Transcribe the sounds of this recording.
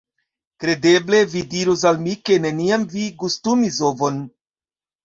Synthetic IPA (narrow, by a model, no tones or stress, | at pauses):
kɾe̞de̞ble̞vidiɾus̬almike̞ne̞niamviɡustumiso̞vo̞n